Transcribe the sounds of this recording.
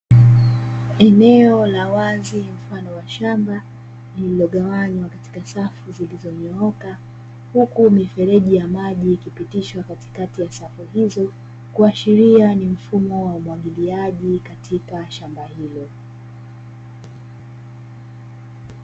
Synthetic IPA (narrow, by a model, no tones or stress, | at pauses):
ɛnɛɔlawazim̩fanɔwaʃamba | lililɔɠawaɲwakati̥kasafuzilizɔɲɔɔka | hukumifɛɾɛʄijamaʄiːkipitiʃwakati̥katijasafuhizɔ | kuaʃiɾianim̩fumɔwaumwaɠiliaʄikatʰikaʃambahilɔ